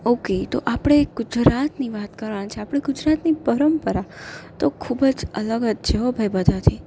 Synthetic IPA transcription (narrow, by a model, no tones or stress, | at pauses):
oket̪oʔapɽ̃eɡ̥ʊd͡ʒɾat̪niʋat̪kəɾʋant͡ʃʰeapɽ̃eɡʊd͡ʒɾat̪nipəɾəmpəɾat̪okʰubəd͡ʒələɡəd̪t͡ʃʰeɦobʱajbəd̪ʱat̪ʰi